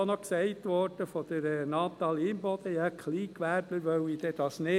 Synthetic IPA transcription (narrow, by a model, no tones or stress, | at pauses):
onɔksɛɪtʋɔɾd̥əfɔd̪̥əɾnɑːt̪ɑliːmbɔd̪əjɑkʰliːkʋæɾb̥ləɾʋœʊid̥̪ɛd̥̪ɑsnɪ